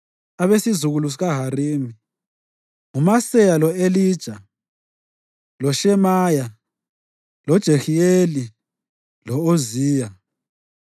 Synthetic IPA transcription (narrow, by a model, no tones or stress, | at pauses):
aβesizuɣulus̬iɣaɦaɾiːmi | ŋumasɛjalɔelid̥ʒ̥ʱa | lɔʃɛmaja | lɔd̥ʒ̥ʱexieli | lɔoziːja